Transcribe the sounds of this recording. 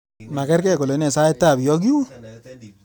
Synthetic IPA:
ma˨kɛ˦ɾkɛ˦˨ko˨lo˨˦nɛ˨sa˦ɛ˦ta˦˨bjɔ˦k̬i˦wu˦

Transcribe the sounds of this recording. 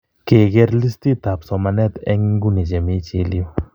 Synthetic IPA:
ke˨ɡɛ˦ɾli˦sti˦t̪a˨psɔ˨ma˨nɛ˦t̪ɛ̰˦ŋɡu˦ni˨t͡ʃɛ˨me˦t͡ʃe˦lijo˦

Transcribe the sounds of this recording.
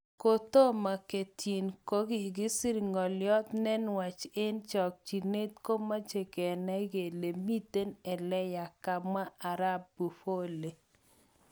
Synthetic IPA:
ko˨t̪o˦ma˨ke˨tʰji˨nko˦ɡi˨ɡɪ˦si˦ɾŋɔ˨ljɔ˦t̪nɛ˦nwa˨t͡ʃe˦nt͡ʃɔ˨k̚t͡ʃi˨ne˦t̪ko˦ma˦t͡ʃe˨ke˨na˦ɡe˨le˨mi˦t̪e˦nɛ˨lɛ˦ja˨ka˨bma˦a˨ɾa˦bːu˨fo˦le˨

